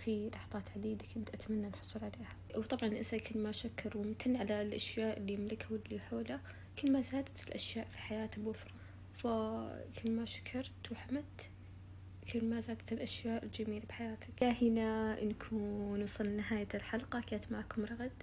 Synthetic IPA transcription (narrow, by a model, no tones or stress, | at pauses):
filɑħɑt̪ˤɑːt̪ʕad̪iːd̪akʊnt̪ʔat̪manːanħʊ̥sˤlʕaleːhawt̪ˤɑbʕɑnʔɪnsakʰɪlːmaʃakːɑɾˤwɪmt̪ʰanːʕalalʔaʃjaːʔɪlːimlɪkhawɪlːiħoːla | kɪlːmazaːd̪at̪ɪlʔaʃjaːʔfiħajaːt̪abwʊfɾˤɑ | fakɪlːmaʃḁkʰɑɾˤt̪wħamat̪ | kɪlmazaːd̪at̪lʔaʃjaːʔɪld͡ʒamiːlabħajaːt̪ɪkahɪnaʔnkʰuːnwɑsˤɨlnɪɦaːjalħalqɑkaːt̪maʕkʊmɾˤɑɣd̪